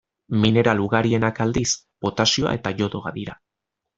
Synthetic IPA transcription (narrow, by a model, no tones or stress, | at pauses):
mine̞ɾaluɣaɾie̞nakald̪is | b̥o̞t̪asio̞a̰e̞t̪aʝo̞ðo̞ɣa̰ðiɾa